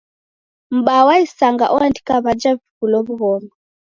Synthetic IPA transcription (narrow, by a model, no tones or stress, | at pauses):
m̩ɓawaisaŋɡa̰ʔɔandikaβad͡ʒavikulɔβuɣɔmɔ